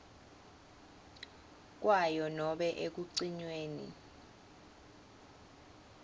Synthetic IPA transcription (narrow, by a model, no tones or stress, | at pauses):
k̬wajɔnɔɓɛʔek̬uǀiɲweːnḭ